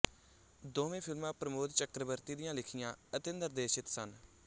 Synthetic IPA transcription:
d̪oːʋẽːpʰɪlmãːpɾəmoːd̪t͡ʃəkɾəbəɾt̪iːd̪ɪjãːlɪkʰɪjãːət̪eːnd̪əɾd̪eːʃɪt̪sən

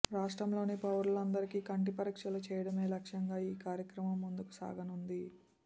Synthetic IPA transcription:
ɾaːʂʈɾɐmlo̞ːnipɐʋɐɾulɐnd̪ɐɾikiːkɐɳʈipɐɾikʂɐlut͡ʃɛːjɐɽɐme̞ːlɐkʂɐŋɡaːiːkaːɾjɐkɾɐmɐmːund̪uku̥sa̰ːɡɐnund̪i

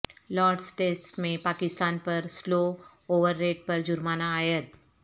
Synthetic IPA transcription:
lɔːɾɖsʈeːsʈmẽpaːkɪst̪aːnpɐɾsloː | oːʋəɾːeːʈ̚pɐɾd͡ʒʊɾmaːnaːjət̪̚

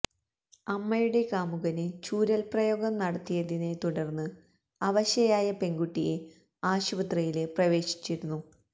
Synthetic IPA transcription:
ɐmːɐjuɽe̞kaːmuɣɐnɨt͡ɕuːɾɐlprɐjo̞ːɡɐmnɐɽɐt̪ːijɐðine̞t̪uɽɐrnːɨ | ɐʋɐɕjɐjaːjɐpe̞ŋɡuʈːije̞ | aːɕubɐt̪rɐjile̞prɐʋe̞ːɕi̥t͡ɕːiɾunːu

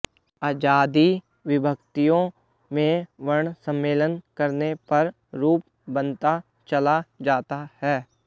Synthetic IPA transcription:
aːd͡ʒaːd̪i | ʋɪbʱəkt̪ijõ | mẽʋəɳsə̃mːeːlənkəɾnepɐɾ | ɾuːp | bənt̪a | t͡ʃəlad͡ʒaːt̪ahɛː

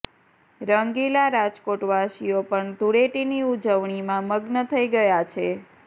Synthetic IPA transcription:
ɾəŋɡilaɾad͡ʒkoʈʋaʃijopəɳd̪ʱuɽeʈiniud͡ʒəʋɳimãməɡnət̪ʰəiɡəjat͡ʃʰe

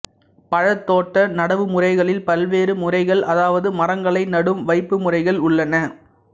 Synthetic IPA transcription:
pɐɻɐt̪ːoːʈːɐnɐɽɐʋɯmʊrɐɪɣɐɭɪlpɐlʋeːɾɯmʊrɐɪɣɐɭʔɐðaːʋɐðɯmɐrɐŋɡɐɭɐɪnɐɽɯmʋɐɪpːɯmʊrɐɪɣɐɭʊɭːɐnɐ

